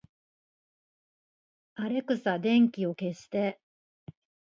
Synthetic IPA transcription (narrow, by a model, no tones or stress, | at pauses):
aɾe̞kɯ̟sad̪ẽ̞ŋkʲio̞ke̞ɕi̥t̪e̞